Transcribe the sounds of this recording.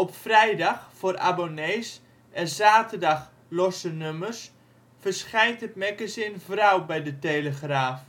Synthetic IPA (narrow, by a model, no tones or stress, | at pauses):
ɔpfrɛjdaxfoːra̰boneːs | ʔɛnzaːtərdɑx | lɔsənømərs | fərsχɛjntətmɛkəsɪnvrawbɛjdəteləxraːf